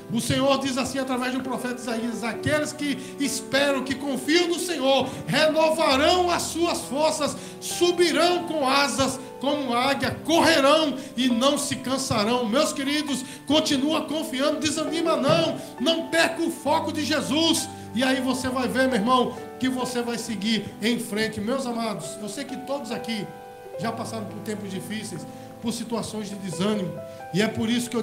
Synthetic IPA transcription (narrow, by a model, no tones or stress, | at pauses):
ʊsẽɲoɾd͡ʒ̪izasĩat̪ɾavɛzd̪ʊpɾɔfɛt̪ɐizaiɐzakelɪskɪː | spɛɾɐ̃w̃kɪkõfiɐ̃w̃nʊsẽɲoɾhenovaɾɐ̃w̃ɐsuɐsfoɾsɐs | subiɾɐ̃w̃kõazɐs | kõmʊaɡjɐkoɦeɾɐ̃w̃ɪnɐ̃w̃sɪkɐ̃saɾɐ̃w̃mewskeɾid̪ʊs | kõnt͡ʃinuɐkõfiɐ̃nd̪ʊd̪ɪzɐ̃nĩmɐnɐ̃w̃ | nɐ̃w̃pɛɾkʊfɔkʊd͡ʒɪʒezus | ɪaivosevajveɾmeeɾmɐ̃w̃ | kɪvosevajsɪɡiɾẽj̃fɾẽnt͡ʃɪmewzamad̪ʊsewsejkɪt̪od̪ʊzaki | ʒapasaɾɐ̃w̃pʊɾt̪ẽmpʊzd͡ʒifisejs | poɾsit̪uasõj̃zd͡ʒɪd̪ɪzɐ̃nĩmʊ | ɪɛpoɾisʊkɪe